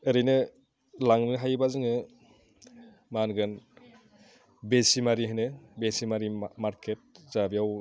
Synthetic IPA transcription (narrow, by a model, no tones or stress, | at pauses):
ɯɾɯjnɯ | laŋnɯɦajbazɯŋɯ | manɡɯn | besimaɾiɦajnɯbesimaɾimaɾkʰet̚zabijaw